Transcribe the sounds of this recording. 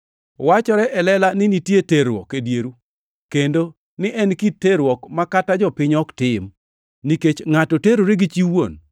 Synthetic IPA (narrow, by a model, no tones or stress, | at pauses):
wat͡ʃɔɾɛʔɛlɛlanɪnitjeteɾwɔ̰kedjeɾu | kendo | nɪʔɛnkitːeɾwɔkmakatad͡ʒɔpɪɲɔktɪm | niket͡ʃŋatɔteɾoɾeɡit͡ʃiwon